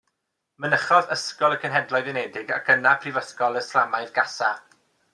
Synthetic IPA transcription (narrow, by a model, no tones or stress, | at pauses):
mənəχɔðəskɔlˠəkʰənɦɛdlˠɔɨðənɛdɪɡakʰənapʰrivəskɔlˠəslamajðɡasa